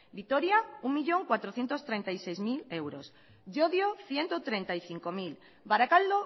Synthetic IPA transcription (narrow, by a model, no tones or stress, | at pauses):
bit̪oɾjauŋmiʎoŋkwat̪ɾoθje̞nt̪ost̪ɾent̪ajsejzmilewɾos | ʝoðjoθjent̪ot̪ɾent̪aiθiŋkomil | baɾakald̪o